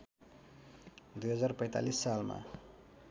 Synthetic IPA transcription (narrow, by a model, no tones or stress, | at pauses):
d̪ujɦʌd͡zarpʌj̃t̪a̰lisːalma̰